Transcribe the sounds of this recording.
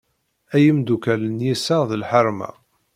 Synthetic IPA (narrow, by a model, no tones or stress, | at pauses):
æjəmd̪ukælənjisaʁðəlħəɾˤmæ̰